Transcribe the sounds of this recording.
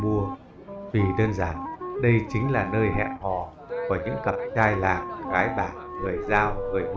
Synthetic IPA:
mu˧ə | vi˨˩ɗəː˧nzaː˧˩nɗə˧jt͡ɕï˨˦ŋ̟laː˨˩nəː˧jhɛ̰˧˨ʔhɔ˨˩ | ku˧˩ɲɨ̰˧˥ŋkə˨˩p̚t͡ɕaː˧jlaː˨˩ŋ̚ɣaː˨˦jɓaː˧˩nŋɨ˨˩əjzaː˧wŋɨ˨˩əjm

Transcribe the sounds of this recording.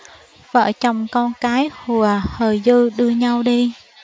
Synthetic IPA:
və̰ː˧˩t͡ɕɔ˧wŋ͡mkɔ˧nkaː˨˦jhu˨˩əhəː˨˩jzɨ˧ɗɨ˧əɲa˧wɗi˧

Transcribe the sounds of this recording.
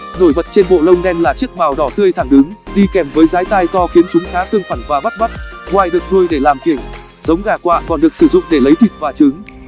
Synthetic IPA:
no˧˩jvə̰˨t̚t͡ɕe˧nɓo̰˧˨lə˧wŋ͡mɗɛ˧nlaː˨˩t͡ɕɨ˦˥ək̚maː˨˩wɗɔ˧˩t̪ɨ˧əjt̪ʰa˧˩ŋɗɨ˨˦ŋɗi˧kɛ˨˩mvəː˨˦jzaː˨˦jt̪aː˧jt̪ɔ˧xi˨˦ənt͡ɕʊ˨˦ŋ͡mxaː˨˦t̪ɨ˧əŋfa˧˩nvaː˨˩ɓa˦˥t̚ɓa˦˥t̚ŋwaː˨˩jɗɨ˨˩ək̚nu˧əjɗe˧˩laː˨˩mki˧˩əŋ | z̥ə˨˦wŋ͡mɣaː˧˩kwa̰ː˧˨kɔ˨˩nɗɨ˨˩əksɨ˧˩zʊ̰˧˨ŋ͡mɗe˧˩lə˨˦jt̪ʰi˨˩t̚vaː˨˩t͡ɕɨ˨˦ŋ

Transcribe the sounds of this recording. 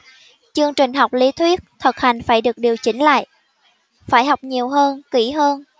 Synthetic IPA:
t͡ɕɨ˧əŋt͡ɕï˨˩ŋ̟ɦa˨˩wk͡p̚li˨˦t̪ʰwi˦˥ət̚t̪ʰə˨˩t̚ha˨˩jŋ̟faː˧˩jɗɨ˨˩ək̚ɗi˨˩əwt͡ɕï˨˦ŋ̟la̰ː˧˨j | faː˧˩jha˨˩wk͡p̚ɲi˨˩əwɦəː˧nki˧˩ɦəː˧n

